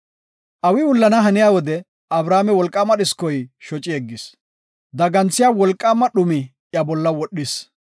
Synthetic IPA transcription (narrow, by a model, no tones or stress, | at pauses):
ʔɐwɪwʊlːɐnɐɦɐnɪjaːwɔd̪ɛ | ɐbɾaːmɛwɔlkʼːaːmɐɗɪskɔjʃɔt͡ʃʼːɪɛɡːɪs | d̪ɐɡɐnt͡sːɪjaːwɔlkʼːaːmɐɗʊmɪ | jɐbɔlːɐwɔɗɪs